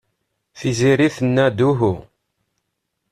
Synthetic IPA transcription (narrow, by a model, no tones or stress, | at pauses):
θiziɾiθənːæd̪uɦu